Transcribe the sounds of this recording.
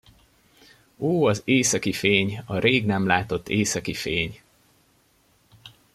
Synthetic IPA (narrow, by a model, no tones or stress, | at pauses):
oːɒzeːsɒkifeːɲɒɾeːɡnɛmlaːt̪o̞t̪ːeːsɒkifeːɲ